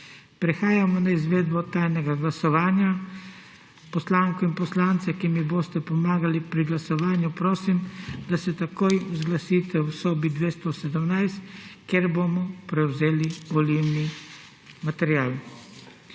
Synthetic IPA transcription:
pɾɛxaːjamɔnaizʋeːd̪bɔt̪aːjnɛɡaɡlasɔʋaːnja | pɔslaːŋkɔinpɔslant̪sɛkimiboːst̪ɛpɔmaːɡalipɾiɡlasɔʋaːnjupɾoːsimd̪asɛt̪akojwzɡlasiːt̪ɛwsɔːbid̪ʋeːst̪ɔsɛd̪əmnajst̪keɾbomɔpɾɛwzeːliʋɔliwni | mat̪ɛɾjaːl

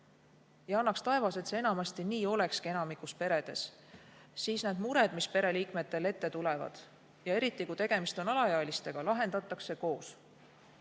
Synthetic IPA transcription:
jɑɑnːɑkst̪ɑe̞vɑse̞t̪se̞e̞nɑmɑst̪iniːo̞le̞kskie̞nɑmikˑuspe̞ɾe̞d̪̥e̞s | siːsnæːd̪̥muɾe̞d̪mispe̞ɾe̞liːkme̞t̪ːˑe̞le̞t̪ːe̞t̪ulevɑ̰d̪̥ | jɑe̞ɾit̪ːˑikuit̪e̞ɡ̥e̞mist̪o̞nɑlɑjɑlist̪e̞ɡ̥ɑlɑɦe̞nd̪ɑt̪ːˑɑksːe̞ko̞ːs

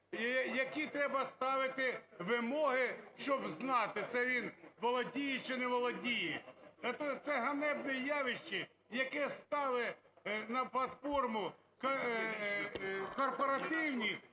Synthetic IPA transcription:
jɐkʲit̪ɾɛbɐst̪ɑʋɪt̪ɪʋɪmɔɦɪʃt͡ʃɔbznɑt̪ɪt̪sɛʋʲinʋɔlˠɔdʲijɛt͡ʃɪnɛʋɔlˠɔdʲijɛɛt̪ɔt̪sɛɦɐnɛbnɛjɑʋɪʃt͡ʃɪ | jɐkɛst̪ɑʋɪnɐplˠɐt̪fɔrmʊ | k | kɔrpɔɾɐt̪ɪwnʲix

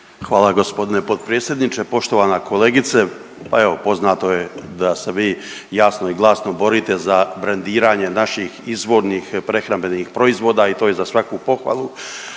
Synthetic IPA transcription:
xʋaːlˠaɡo̞spo̞d̪ine̞po̞d̪̚pɾeːt̪sʲjed̪nit͡ʃepo̞ʃt̪o̞ʋaːnakʰo̞leːɡit̪se | pae̞ʋo̞po̞znaːt̪o̞je̞d̪aseʋiːjaːsnoiɡlˠasnobo̞ɾiːt̪e̞zabɾand̪iːɾaːɲe̞naʃixizʋo̞ːɾnixpɾe̞xɾambe̞niːxpɾo̞izʋo̞ːd̪aːit̪oːjezasʋakupo̞xʋa̰ːlˠu

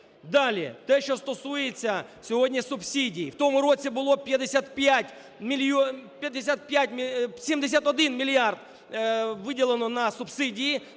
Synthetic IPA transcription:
d̪alʲɪɛ̰t̪ɛʃt͡ʃɔst̪ɔsujɪt͡sʲːɐsʲɔɦodʲnʲisʊpsʲidʲijiwt̪omʊrot͡sʲibʊlˠoɔpʲjɐd̪esʲat̪pʲjatʲ | mʲpʲjɐd̪ɪsʲat̪̚pʲjatʲmʲsʲimd̪es̬ʲat̪ɔd̪ɪnmʲɪlʲɪard̪ | ʋɪdʲɪlˠenɔnɐsʊpsɪdʲiji

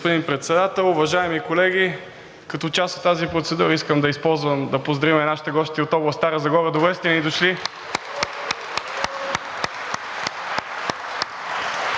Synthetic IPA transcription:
pod̪inpɾɛt̪sɛd̪at̪ɛlˠʊvɐʒaɛmikolɛɡ̟ʲi | kɐt̪ɔt͡ʃaso̥t̪ːazipɾot̪sɛd̪uɾəiskəmd̪ɐispɔlˠzvəmd̪ɐpozd̪ɾɐvimɛnaʃi̥t̪ɛɡɔst̪iot̪ɔblˠɐst̪aɾəzɐɡɔɾəd̪ovɾɛst̪ɛnid̪oʃli

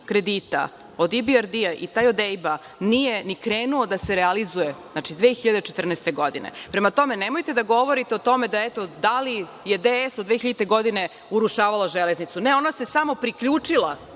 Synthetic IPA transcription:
kɾe̞d̪iːt̪a̰ | o̞d̪ibiaɾd̪iaʔḭt̪aːjod̪ejba | nije̞nikɾeːnuod̪aseɾealizuje̞znat͡ʃid̪ʋeːxiʎad̪et͡ʃet̪rnɛːst̪e̞ɡo̞d̪ḭnḛpɾe̞mat̪o̞me̞nemo̞jt̪ed̪aɡo̞ʋoɾit̪eot̪o̞me̞d̪aet̪o̞d̪ali | jed̪eesod̪d̪ʋeːçiʎad̪it̪eɡo̞d̪ine̞ | uɾuʃaːʋalˠaʒeleznit̪sune̞o̞nase̞samo̞pɾikʎuːt͡ʂilˠa

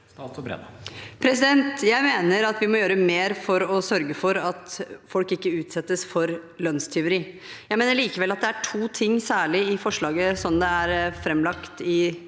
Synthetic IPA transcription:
sbɾɛ̰d̪pʰɾɛsɪd̪ɛnt̪jæɪmeːnəɾɑt̪ʋɪmɔjøːɾəmeːɾfɔɾɔsœɾɡəfɔɾɑt̪fɔlkɪkːəʉːt̪sɛt̪ːəsfɔɾlœnst̪ʰɛʊɾiː | jæɪmeːnəɭiːkəʋɛlːɑt̪̚d̪ɛæʈʰuːt̪ʰɪŋːsæːɭɪɪfɔʂɭɑːɡəsɔnd̪ɛæɾfɾɛmːlɑkt̪ɪ

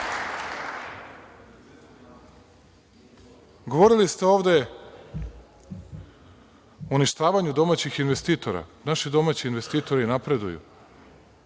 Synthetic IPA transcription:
ɡo̞ʋo̞ɾilist̪e̞o̞ːʋd̪e̞ | uniʃt̪aːʋaɲud̪o̞maːt͡ɕixinʋest̪iːt̪o̞ɾa̰naʃid̪o̞maːt͡ɕiinʋe̞st̪iːt̪o̞ɾinapɾe̞d̪ṵjṵ

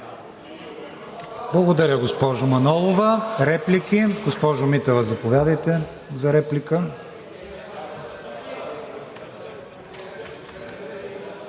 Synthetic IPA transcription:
blˠɐɡod̪ɐɾʲəɡospɔʒʊmɐnɔlˠovɐɾɛplikiɡospɔʒʊmit̪ovɐzɐpovʲjad̪əjt̪ɛ | zɐɾɛplikə

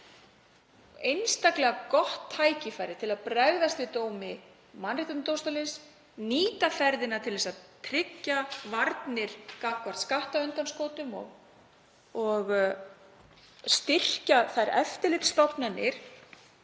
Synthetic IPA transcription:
ejnst̪aklɛɣakɔht̪ʰːaːjcɪfaːjɾɪt̪ʰɪlaðpɾɛɣðast̪vɪt̪oːwmɪ | manːriht̪at̪nt̪owst̪alɪns | niːt̪afɛɾðɪnat̪ʰɪlvɛsaðt̪ʰɾɪcːavaɾt̪nɪɾ̥kakvaɾ̥t̪skaht̪aʏnt̪anskoːwt̪ʏmɔ̰ɣ | ɔɣ | st̪ɪr̥caθaðɾɛft̪ɪlɪt̪st̪ɔpnanɪɾ̥

